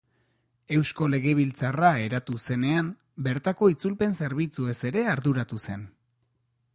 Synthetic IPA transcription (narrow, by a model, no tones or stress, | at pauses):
e̞wsko̞le̞ɣe̞βilt͡sarae̞ɾat̪use̞ne̞am | be̞ɾt̪ako̞it͡sulpe̞nse̞ɾβit͡sue̞se̞ɾe̞aɾðuɾat̪use̞n